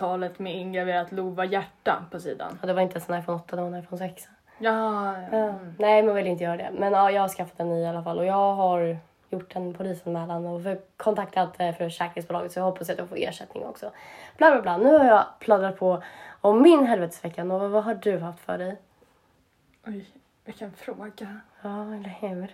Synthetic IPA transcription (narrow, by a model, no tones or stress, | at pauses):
t̪ʰɑːlət̪mɛɪŋɡɾad̪eːɾat̪luːvajæʈːa̰npʰɔsḭːd̪a̰nd̪ɛvaɾɪnt̪əɛnsɔnajfoːnɔt̪ːad̪ɛvaɾnajfoːnsɛks | ɑːnɛɪmɛnvɪlːɪnt̪əjœːɾad̪ɛ̰mɛnɑːjɑːɡhaʂkafːat̪ɛnːialːafalːʔɔjɑːɡɦaɾ | jʊʈːɛnpʰʊliːsanmɛːlanɔfœkʰɔnt̪ʰakt̪ʰat̪fœɾfœʂɛːkəɾɪŋsbʊːlɑːɡət̪sɔjahɔpːas̬jɛat̪d̪ɵhafoːḛːʂɛt̪nɪ̰ŋ̰ɔ̰ksɔb̥laːblaːblɑːnʉ̟ːhaɾjɑpʰlad̪ɾat̪̚pʰɔɔmːɪnɦɛlvɛːt̪ə̥svɛkːanovavaɦaɖɵɦaft̪fœ̰ɖɛj | ɔj | akʰanfɾoːɡa | ɑːɛlːɛhɛ